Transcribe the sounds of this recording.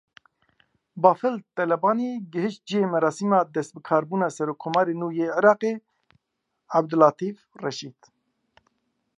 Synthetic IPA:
bɑːfɨlt̪ɛlɛbɑːniːɡɨɦɨʃt̪̚d͡ʒijeːmɛɾɑːsiːmɑːd̪ɛst̪̚bɨkʰɑːɾbuːnɑːsɛɾoːkʰːɔmɑːɾeːnuːjeːʕiɾɑːqeː | ab̚d̪ɨlɑːt̪ʰiːfrɛʃiːd̪

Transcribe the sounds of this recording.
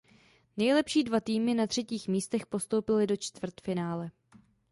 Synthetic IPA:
nɛjlɛpʃiːdvat̪iːmɪnat̪r̝̥ɛciːxmiːst̪ɛxpo̞st̪owpɪlɪdo̞t͡ʃt̪vr̩t̪fɪnaːlɛ

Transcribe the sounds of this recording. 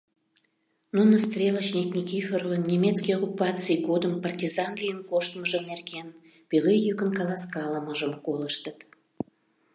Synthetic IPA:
nunəst̪rʲelət͡ɕnʲiknʲikʲifʲerovənnʲemʲet̪t͡skijokupɑt͡sɨjɡod̪əmpərtʲizɑnɡlʲijənkoʃt̪məʒənerɡen | pilejjykənkɑlɑskɑləməʒəmkoləʃt̪ət̪

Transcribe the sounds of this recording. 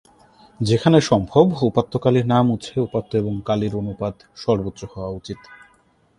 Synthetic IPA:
d͡ʑekʰaneʃɔmbʱobupat̪ːokaliɾnamut͡ɕʰeupat̪ːoeboŋkaliɾonupad̪ | ʃɔɾbot̪ːʃohɔoaut͡ɕit̪

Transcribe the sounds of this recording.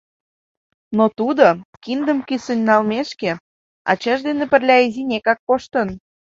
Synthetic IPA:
not̪ud̪okind̪əmkysənʲːɑlmeʃke | ɑ̰t͡ɕɑʒd̪enĕpə̆rlʲɑizinʲekɑkːoʃt̪ən

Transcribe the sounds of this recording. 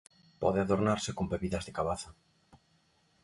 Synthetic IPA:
pɔ̰ðɪaðoɾnaɾsɪkombeβiðɐzðekaβaθa

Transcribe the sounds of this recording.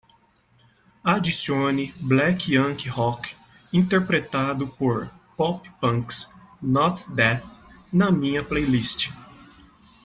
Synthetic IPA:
ad͡ʒisiõniblɛkiɐ̃kihɔk | ĩnt̪eɾpɾet̪ad̪ʊpoɾ | pɔppɐ̃ks | nɔt̪d̪ɛθnɐmĩɲɐplejlist͡ʃɪ̥

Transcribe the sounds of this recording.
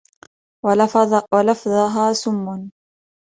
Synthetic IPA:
walɑfðˤɑɦaːsʊmːʊn

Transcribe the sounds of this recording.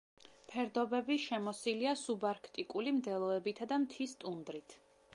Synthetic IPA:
pʰɛɾd̪ɔbɛbiʃɛmɔsiliasubaɾkʰt̪ʼikʼulimd̪ɛlˠɔɛbit̪ʰad̪amt̪ʰist̪ʼund̪ɾit̪ʰ

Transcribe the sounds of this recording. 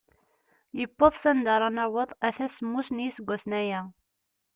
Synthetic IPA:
jəbːoðˤsænd̪ɑɾˤɑnɑwəðˤæθæsəmːusnjisəɡʷːæsnæjæ

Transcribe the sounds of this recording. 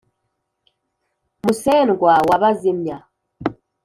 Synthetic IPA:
musɛnɡwawaβazimja

